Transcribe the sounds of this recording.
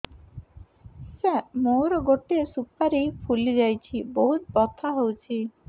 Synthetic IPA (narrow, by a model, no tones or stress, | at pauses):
sɛ̃moɾɔɡoʈiesupaɾipʰulid͡ʒajt͡ʃʰiboɦut̪bɔt̪ʰaɦowt͡ʃʰi